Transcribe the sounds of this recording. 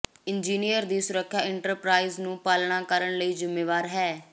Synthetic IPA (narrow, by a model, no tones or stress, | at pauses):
ɪnd͡ʒiːnijəɾd̪iːsʊɾəkʰːjaːɪɳʈəɾpɾaːiːznũːpaːlɳãːkəɾəɳləiːzɪmːeːʋaːɾɦɛː